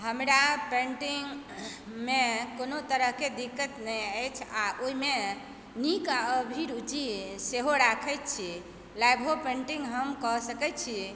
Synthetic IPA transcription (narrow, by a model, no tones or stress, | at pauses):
ɦəmɾapẽɳʈiŋɡ | mekonot̪əɾəɦked̪ikːət̪nəjəjt͡ʃʰaʔoime | nikaəbʱiɾud͡ʒiseɦoɾakʰət̪̚t͡ʃʰi | lajbʱɦopẽɳʈiŋɡɦəmkɔɦsəkɛt̪̚t͡ʃʰi